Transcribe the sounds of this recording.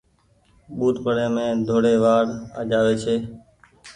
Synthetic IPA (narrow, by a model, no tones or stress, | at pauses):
ɓuːt̪pəɽeːmẽːd̪ʱoːɽeːʋaːɽa̰ːd͡ʒaːʋeːt͡ʃʰeː